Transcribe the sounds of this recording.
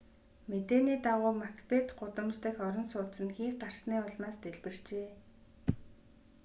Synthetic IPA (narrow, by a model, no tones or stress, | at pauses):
met̪eːniːt̪aʁʊːmakpet̪ɢʊt̪ə̆mt͡ɕt̪ɘ̆kɔɾɞ̆nsʊːt̪sə̆nxiːkɢar̥sniːʊɮmaːst̪eɮpɘ̆r̥t͡ɕeː